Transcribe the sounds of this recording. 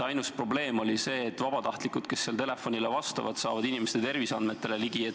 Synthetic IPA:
ɑjnuspro̞ble̞ːmo̞lʲise̞ːtt̪ːvɑb̥ɑt̪ɑht̪likud̪̥ke̞sːeːlt̪e̞le̞fo̞nʲilevɑst̪ɑ̰vɑ̰d̪̥sɑ̰ːvɑd̪̥inimest̪et̪e̞rvisɑ̰nd̪me̞t̪ːˑe̞le̞liɡ̥ie

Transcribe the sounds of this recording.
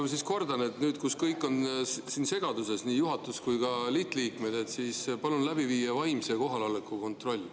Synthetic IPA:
msisko̞rd̪ɑne̞t̪nyːd̪̥kuskɤjkːˑo̞nsiːnse̞ɡ̥ɑd̪use̞sniːjuɦɑt̪ːˑuskujkɑlit̪ːˑliːkme̞d̪et̪siːspɑlunlæbiviːjɑvɑjmseko̞ɦɑlɑlekːˑuko̞nt̪ro̞lʲː

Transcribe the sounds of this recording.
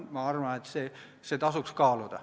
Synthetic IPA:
mɑɑrʋɑnet̪se | set̪ɑsukskɑːlod̪ɑ̰

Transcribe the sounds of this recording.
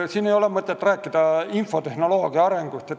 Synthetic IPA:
siːnejo̞lemɤt̪ːˑet̪ːˑræːkːˑid̪̥ɑinfo̞t̪e̞hno̞lo̞ːɡ̥iɑɑɾe̞ŋɡ̥ust̪et̪

